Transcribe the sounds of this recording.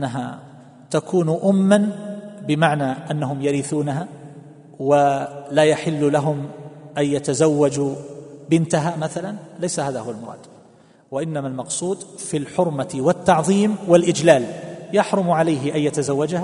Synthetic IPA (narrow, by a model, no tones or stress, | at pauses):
ʔanːaɦa̰ | t̪akʰuːnʔʊmːanbɪmaʕnaːʔanːaɦʊmjaɾiːθuːnaɦaː | walaːjaħɪlːʊlaɦʊmʔajjat̪azawːad͡ʒubɪnt̪aɦaːmaθalanlajsahaːðahʊwalmʊɾˤɑ̰ːd̪̥ | waʔɪnːamalmɑqsˤuːd̪filħʊɾmaɪwɪt̪ːɑʕðˤiːmwɪlʔɪd͡ʒlaːljɑħɾˤʊmʕalajɦɪʔajjat̪azawːad͡ʒaha